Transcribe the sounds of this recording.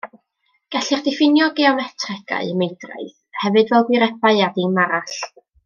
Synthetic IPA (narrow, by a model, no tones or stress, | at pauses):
ɡ̥aɬɪrdɪfɪnjɔɡeɔmɛtʰrɛɡa̰ɨəmejdra̰ɨð | hɛvɨdvɛlˠɡwɪɾɛbaɨadimaɾaɬ